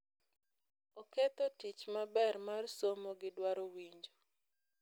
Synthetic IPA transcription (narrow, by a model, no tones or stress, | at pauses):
oket̪otit͡ʃmabɛrmarsomoɡɪdwaɾowiɲd͡ʒo